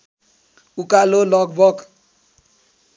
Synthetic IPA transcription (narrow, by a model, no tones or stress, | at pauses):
ukalolɔkbɔk